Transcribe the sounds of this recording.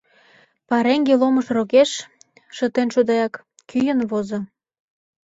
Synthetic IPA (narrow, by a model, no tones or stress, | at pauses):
pɑɾeŋɡelomə̆ʃrokeʃ | ʃət̪enʃud̪ɑjɑk | kyjənβozŏ